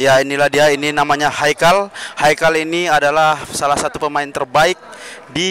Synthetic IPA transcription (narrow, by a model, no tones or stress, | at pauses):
jainilahdiaininamaɲahajkalhajkaliniadalahsalahsat̪upəmaɪnt̪ərbaɪk̚di